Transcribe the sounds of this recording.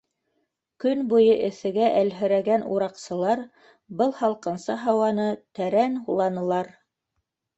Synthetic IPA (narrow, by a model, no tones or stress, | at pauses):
kɵnbujɤʔɘ̆θɘ̆ɡæʔælɦɵ̆ɾæɡænṵɾɑqsɤ̆lˠɑɾ | bɤlˠhɑlˠqɤ̆nsɑɦɑwɑnɤt̪æɾænhulˠɑnɤ̆lˠɑɾ